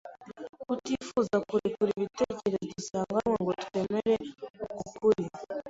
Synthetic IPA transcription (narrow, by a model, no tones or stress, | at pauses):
kutifuzakuɾikuɾiβiteceɾedisaŋɡanwaŋɡotu̥temeɾeukukʰuɾja